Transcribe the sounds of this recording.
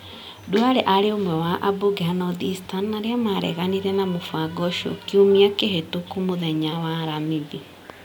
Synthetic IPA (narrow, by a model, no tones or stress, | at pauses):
duaɾeʔaɾeomwɛwaʔaboɡeanɔðistanːaɾeamaɾɛ̰ɣaniɾɛnamofaɡɔʃo̰kiomiakeɦetokomoðɛɲawaɾamiði